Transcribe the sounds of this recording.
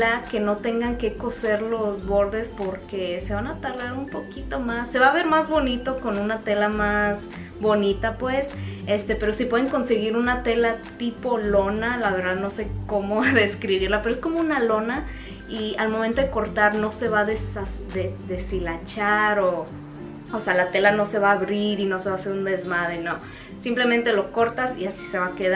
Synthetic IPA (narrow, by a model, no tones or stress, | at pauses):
ake̞no̞t̪e̞ŋɡaŋke̞ko̞se̞ɾlo̞zβo̞ɾðe̞spo̞ɾke̞se̞βanat̪alaɾumpo̞kit̪o̞masːe̞βaβe̞ɾmazβo̞nit̪o̞ko̞nũnat̪e̞lamaz | βo̞nit̪apwe̞sest̪e̞pe̞ɾo̞sipwe̞ðeŋko̞nse̞ɣiɾunat̪e̞lat̪ipo̞lo̞nalaβe̞ɾðaðno̞se̞ko̞mo̞ðe̞skɾiβiɾlapeɾoesko̞mo̞unalo̞na | ialmomẽnt̪o̞ðekoɾt̪aɾno̞se̞βaðesaðeðe̞silat͡ʃaɾo | osealat̪e̞lano̞se̞βaːβɾiɾino̞seβase̞ɾund̪e̞zmaðeno | simple̞mẽnt̪e̞lo̞ko̞ɾt̪asiasi̥se̞βakeða